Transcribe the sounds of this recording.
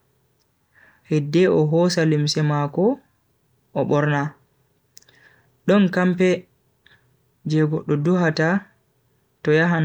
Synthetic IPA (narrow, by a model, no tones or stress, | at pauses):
hɛdːɛʔɔɦɔsalimsɛmakɔ | ɔɓɔɾna | ɗɔnkampɛ | d͡ʒɛɡɔɗɔduɦata | tɔjaɦan